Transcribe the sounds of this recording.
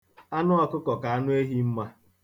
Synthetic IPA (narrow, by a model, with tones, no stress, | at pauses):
a˦nʊ˦a˨kʊ˦kɔ˨ka˨a˦nʊ˦e˦ɦi˦m̩˦ma˦